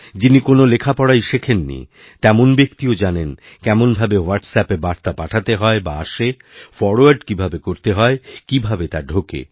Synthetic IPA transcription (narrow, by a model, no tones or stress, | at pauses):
d͡ʑinikonolekʰapɔɽaiʃekʰenːḭ | t̪ɛmonbekt̪iod͡ʑanen | kɛmonbʱabewaɾʈsɛpebaɾt̪apaʈʰat̪eɦɔebaa̰ʃe | fɔɾoaɾɖkibʱabekoɾt̪eɦɔekibʱabet̪aɾɖʱokḛ